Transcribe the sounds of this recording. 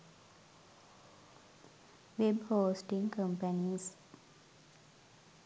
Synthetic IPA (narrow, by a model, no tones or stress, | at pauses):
ʋebhoːsʈiŋkəmpəniːs